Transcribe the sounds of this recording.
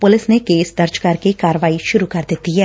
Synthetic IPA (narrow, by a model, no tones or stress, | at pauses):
pʊlɪsnekeːsd̪ɐɾd͡ʒkɐɾkekaːɾəʋaːiʃʊɾukɐɾd̪eːt̪iɦɛː